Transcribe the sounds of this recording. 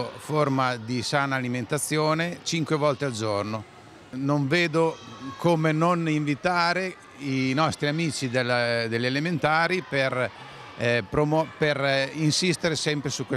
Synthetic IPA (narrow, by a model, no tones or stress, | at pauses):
formad̪isaːnaːliment̪at̪sːjoːnet͡ʃiŋkwevɔlt̪eald͡ʒorno | noɱveːd̪okʰomenoniɱvit̪aːɾe | inɔst̪ɾiamiːt͡ʃid̪elad̪eʎːelement̪aːɾiper | pɾomɔperinsist̪eɾesɛmpɾesukːwe